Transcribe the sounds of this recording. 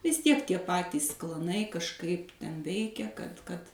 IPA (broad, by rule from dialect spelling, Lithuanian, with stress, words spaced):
ʋʲɪs ˈtʲiɛk tʲiɛ ˈpɑːtʲiːs klˠɐˈnɐɪ kɐʃˈkɐɪp ˈtʲɛn ˈʋʲɛɪkʲɛ kɐt kɐt